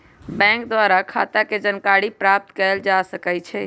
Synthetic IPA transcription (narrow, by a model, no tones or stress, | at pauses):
bɛ̃ŋk̚d̪waɾakʰa̰t̪aked͡ʒənkaɽipɾap̚t̪kəld͡ʒasəkɛt͡ʃʰɛ